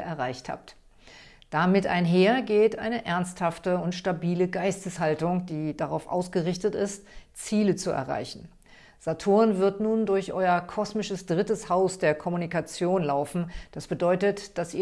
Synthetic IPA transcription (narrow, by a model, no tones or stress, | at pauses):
ʔɛɐʁaɪçtha̰ːp̚t | d̥amɪta̰ɪnɦeːɐɡeːtʔa̰ɪnəʔɛɐnsthaftəʊntʃtabiːləɡaɪstəshaltʊŋd̥iːd̥aʁaʊfʔa̰ʊsɡ̥əʁɪçtətɪstt͡siːlət͡suɛ̰ɐʁa̰ɪçn̩ | z̥atʰoːʁənvɪɐtnuːndʊɐçʔɔʏɐkʰɔsmɪʃəsd̥ʁɪtəshaʊsd̥eːɐkʰɔmunikat͡sjoːnlaʊfn̩d̥asb̥ədɔʏtətd̥asʔḭː